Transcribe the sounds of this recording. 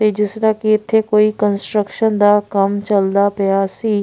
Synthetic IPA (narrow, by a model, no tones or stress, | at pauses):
ed͡ʒɪsɾakiɪt̪ʰːekoːikənsʈɾəkʃənd̪aːkəmt͡ʃəld̪apəjasiː